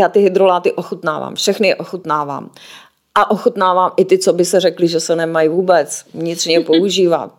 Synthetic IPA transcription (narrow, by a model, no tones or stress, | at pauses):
jaːt̪ɪɦɪd̪ɾolaːt̪ɪʔoxut̪na̰ːva̰ːmfʃɛxnɪɛʔoxut̪naːva̰ːm | ʔaʔoxut̪naːvaːmɪt̪ɪt͡sobɪsɛrɛklɪʒɛsɛnɛmajvuːbɛt͡svɲɪt̪r̥ɲɛpouʒiːva̰t̪̚